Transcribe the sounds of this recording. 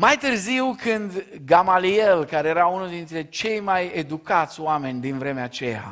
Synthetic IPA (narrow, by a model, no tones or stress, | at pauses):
majt̪ɨrziwkʰɨnd̪ɡamalie̞lkaɾe̞jeɾaunuld̪int̪ɾe̞t͡ʃe̞jmajed̪ukat̪sʲoame̞nʲd̪invɾe̞meat͡ʃe̞ja̰